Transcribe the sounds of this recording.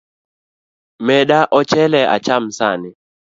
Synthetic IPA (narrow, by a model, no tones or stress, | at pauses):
mɛɗaʔɔt͡ʃɛlɛa̰t͡ʃamsanɪ